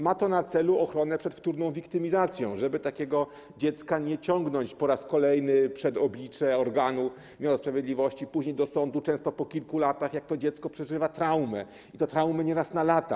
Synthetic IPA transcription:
mat̪ɔnat̪sɛluɔxɾɔnɛpʂɛt̪ft̪uɾnɔ̃w̃vʲikt̪ɘmʲizat̪sʲjɔ̰̃w̃ʐɛbɘt̪akʲɛɡɔ | d͡ʑɛt̪skaɲɛt͡ɕɔŋɡnɔɲt͡ɕpɔɾaskɔlɛjnɘpʂɛd̪ɔblʲit͡ʂɛɔɾɡanu | mʲjawɔspɾavʲjed̪lʲivɔɕt͡ɕipuʑɲejd̪ɔsɔnd̪ut͡ʂɛ̃w̃st̪ɔpɔkʲilkulat̪axjak̚t̪ɔd͡ʑɛt̪skɔpʂɛʐɘvat̪ɾawmɛ | it̪ɔt̪ɾawmɛɲɛɾasnalat̪a̰

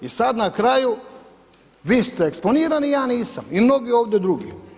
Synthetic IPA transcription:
isad̪nakɾaju | ʋiːst̪eeksponiːɾanijaːniːsamimno̞ɡio̞ːʋd̪jed̪ɾuɡḭ

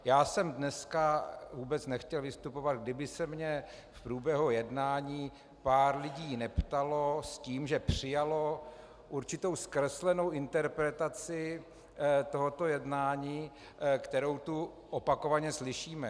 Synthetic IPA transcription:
jaːsɛmdnɛskavuːbɛt͡snɛxcɛlvɪst̪upo̞vad̪̚ɡdɪbɪsɛmɲɛ | fpɾuːbjɛɦujɛdnaːɲiː | paːɾlɪɟiːnɛpt̪alo̞sciːmʒɛpr̝̥ɪjalo | ʔuɾt͡ʃɪt̪o̞wskrɛslɛno̞wʔɪnt̪ɛɾpɾɛt̪at͡sɪ | t̪o̞ɦot̪o̞jɛdnaːɲiː | kt̪ɛɾowt̪u | ʔopako̞vaɲɛslɪʃiːmɛ

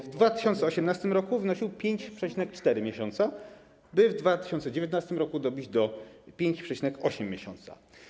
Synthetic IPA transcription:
vd̪vat̪ɘ̥ɕɔnt̪sɛɔɕɛmnast̪ɘmɾɔkuvɘnɔɕiwpʲjeɲt͡ɕpʂɛt͡ɕinɛkt͡ʂt̪ɛɾɘmʲjeɕɔnt̪sa | bɘvd̪vat̪ɘ̥ɕɔnt̪sɛd͡ʑevʲjɛt̪nast̪ɘmɾɔkud̪ɔbʲid͡ʑd̪ɔpʲjeɲt͡ɕpʂɛt͡ɕinɛkɔɕɛmʲːjeɕɔ̰nt̪sa̰

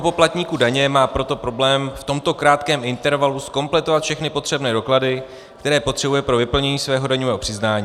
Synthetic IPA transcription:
opo̞plat̪ɲiːkudaɲɛmaːpɾo̞t̪o̞pɾo̞blɛːmft̪o̞mt̪o̞kɾaːt̪kɛːmɪnt̪ɛɾvalusko̞mplɛt̪ovat̪fʃɛxnɪpo̞t̪r̝̥ɛbnɛːdo̞kladɪ | kt̪ɛɾɛːpo̞t̪r̥ɛbujɛpɾo̞vɪpl̩ɲɛɲiːsvɛːɦo̞daɲovɛːɦo̞pr̥ɪznaːɲi

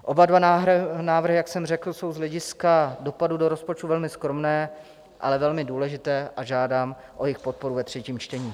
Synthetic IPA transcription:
ʔo̞badvannaːvr̩ɦɪjaksɛmr̝ɛkl̩so̞wzlɛɟɪskado̞padudo̞ɾo̞spot͡ʃt̪uvɛlmɪskɾo̞mnɛː | ʔa̰lɛvɛlmɪduːlɛʒɪt̪ɛːʔaʒaːdaːm | ʔo̞jɪxpot̪̚po̞ɾuvɛt̪r̝ɛciːmt͡ʃt̪ɛɲiː

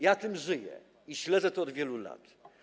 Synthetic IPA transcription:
jat̪ɘmʐɘjɛ̰ | iɕlɛd̪zɛt̪ɔɔd̪vʲjɛlula̰t̪

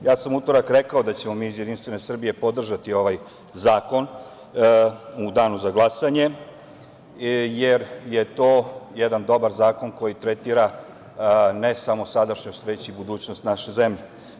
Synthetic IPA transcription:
jaːsamut̪o̞ɾakɾe̞kao̞d̪at͡ɕe̞mo̞miːzjed̪inst̪ʋene̞sr̩bije̞po̞d̪r̩ʒat̪io̞ʋaj | zaːko̞n | ud̪aːnuzaɡlˠasaɲe̞ | jeɾjet̪oːjed̪and̪o̞baɾzaːko̞nko̞jit̪ɾet̪iːɾa | ne̞samo̞sad̪aʃɲost̪ʋe̞t͡ɕibud̪uːt͡ɕno̞st̪naʃe̞ze̞mʎe

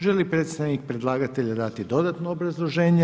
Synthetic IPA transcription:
ʒelipɾe̞ːt̪st̪aʋnik̚pɾed̪lˠaːɡat̪eʎad̪at̪id̪o̞d̪at̪noobɾazlˠo̞ʒe̞ːɲe

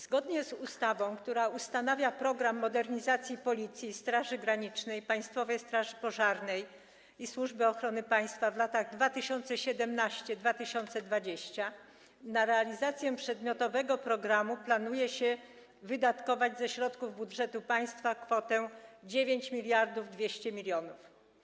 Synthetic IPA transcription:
z̥ɡɔd̪ɲɛzust̪avɔ̃w̃kt̪uɾaust̪anavʲjapɾɔɡɾamːɔd̪ɛɾɲizat̪sʲjipɔlʲit̪sʲjist̪ɾaʐɘɡɾaɲit͡ʂnɛjpaj̃st̪fɔvɛjst̪ɾaʐɘpɔʐaɾnɛj | iswuʐbɘɔxɾɔnɘpaj̃st̪favlat̪aɣd̪vat̪ɘɕɔnt̪sɛɕɛd̪ɛmnaɕt͡ɕɛd̪vat̪ɘɕɔnt̪sɛd̪vad͡ʑeɕt͡ɕa | naɾɛalʲizat̪sʲjɛpʂɛd̪mʲjɔt̪ɔvɛɡɔpɾɔɡɾamuplanujɛɕɛ | vɘd̪at̪kɔvad͡ʑzɛɕɾɔt̪kuvbudʐɛt̪upaj̃st̪fakfɔt̪ɛd͡ʑevʲeɲt͡ɕmʲilʲjaɾd̪uvd̪vʲjeɕt͡ɕɛmʲilʲjɔnuf

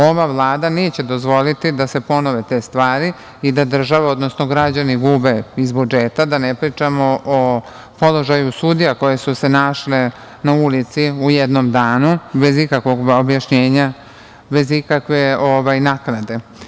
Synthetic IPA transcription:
o̞ʋavlˠaːd̪ane̞ːt͡ɕe̞d̪o̞zʋo̞lit̪id̪ase̞po̞noʋet̪e̞ːst̪ʋaːɾi | id̪ad̪r̩ʒaʋeo̞d̪no̞snoɡɾad͡ʑaniɡuːbe̞izbud͡ʒeːt̪ad̪anepɾiːt͡ʂamoʔo | po̞lo̞ʒajusud̪ijako̞je̞suse̞naʃle | naulit̪siujed̪nomd̪aːnube̞zikakʋo̞ɡobjaʃɲe̞ːɲa | be̞zikakʋe̞oʋajnaknad̪e̞

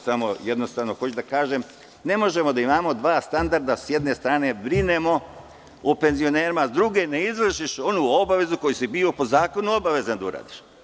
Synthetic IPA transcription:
samoje̞d̪no̞st̪aːʋnoxo̞t͡ʃud̪akaːʒem | ne̞mo̞ʒe̞mo̞d̪aimaːmo̞d̪ʋaːst̪and̪aɾd̪asje̞d̪ne̞st̪ɾaːne̞bɾine̞mo̞ | ope̞nzio̞neːɾimad̪ɾuɡeneizʋr̩ʃiʃo̞nuo̞baʋe̞zuko̞jisibiːopo̞zaːko̞nuo̞baʋe̞zand̪aṵɾa̰ːd̪i̥ʃ

